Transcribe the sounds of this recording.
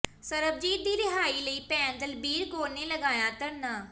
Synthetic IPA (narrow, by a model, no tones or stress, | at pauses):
səɾəb̚d͡ʒiːd̪d̪iːɾɪɦaːiːləiːpɛ̃ːnt̪əlbiːɾɡoːɾneːləɡaːjaːt̪əɾnaː